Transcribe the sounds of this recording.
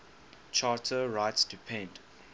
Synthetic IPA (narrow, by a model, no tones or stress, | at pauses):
t͡ʃʰatʰəɹaɪtstʰupʰɛ̃nd